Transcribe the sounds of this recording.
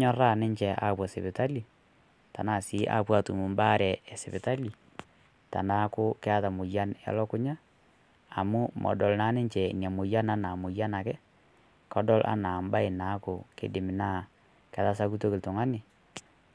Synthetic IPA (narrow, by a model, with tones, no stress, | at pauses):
ɲɔ˦ra˦˨nɪ˦ɲt͡ʃɛ˨ʔa̰˨pwa˨se˨bɪ˨ta˦li˨ | ta̰˨na˨si˦ʔa̰˦pwa˦tu˨mu˨mbaː˦ɾɛ˨ɛ˨sɛ˨bɪ˨ta˦li˨ | ta̰˨na˦kʊ˦kɛ˦a˦ta˨mʊ˨ja˦nɛ̰˨˦lɔ˦kʊ˦ɲaː˦˨ | mu˦mʔɔ̰˨dɔ˨lnaː˦nɪ˦ɲt͡ʃɛ˨nja˨mʊ˨ja˦na˦na˨mʊ˨ja˦na˨kɛ˦ | kɔ˦dɔ˦lʔa̰˦na˨mba˦e˨na˨˦kʊ˨kḛ˦dɪ˨mɪ˨na˦ | kɛ˨ta˦s̬a˦ku˦to˦kɪ˨ltʊ˨ŋa˦nɪ˨